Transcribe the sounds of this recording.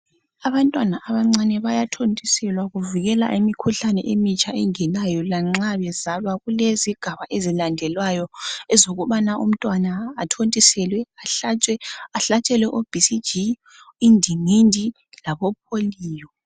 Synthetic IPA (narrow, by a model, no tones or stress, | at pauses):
aβantʼwanaʔaβaŋ͡ǀanɛβajatʰontʼisɛlwaɣuviɣɛla̰ʔimikʰuɬanɛ̰ʔemit͡ʃʼaɛŋɛnajɔlaŋ͡ǀaβɛzalwaɣuleziɡ̥ʱaβaʔezilandʱɛlwajɔɛzoɣuβanaṵm̩tʼwanaːtʰontʼisɛlwɛaɬat͡ʃʼɛaɬat͡ʃʼɛlwɛʔob̥ʱisid͡ʒi | indʱiŋindʱi | laβɔp̚ʰoliːjɔ